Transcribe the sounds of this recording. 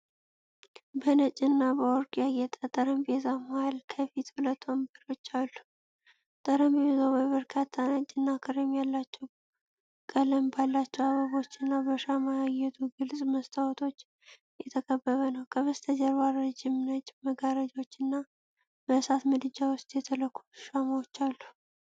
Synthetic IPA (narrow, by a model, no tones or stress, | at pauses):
bənət͡ʃʼɪnːabəɔɾkʼijajɛt̪ʼət̪ʼəɾəmbezamhalkʰəfit̪hulət̪ʰːombəɾo̞t͡ʃːalːu | t̪ʼəɾəmbezawbəβəɾkʰat̪ʰːanət͡ʃʼːɪnːakʰɨɾemjalːat͡ʃːɛw | kʼələmbalːat͡ʃːɛwaβəβo̞t͡ʃːɨnːabəʃamajajɛt̪ʰuɡɨlsʼməst̪ʰawɔt̪ʰo̞t͡ʃː | jɛt̪ʰəkʰʼəbːəβənəwkʰəβəst̪ʰəd͡ʒɛɾwaɾːɨd͡ʒɪmnət͡ʃʼːməɡaɾəd͡ʒo̞t͡ʃːɨnːa | bəsat̪mɨd̪ɨd͡ʒawʊst̪ʼjɛt̪ʰələkʰːu̥tʃaməwot͡ʃːalːu̥